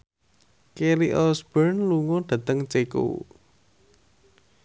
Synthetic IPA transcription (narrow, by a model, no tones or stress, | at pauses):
keliʔɔsb̥ərnluŋoɖ̥ä̤t̪əŋt͡ʃekṵ